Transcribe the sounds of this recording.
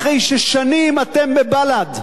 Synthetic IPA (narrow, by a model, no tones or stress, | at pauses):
χejʃeʃanimat̪embebalad̪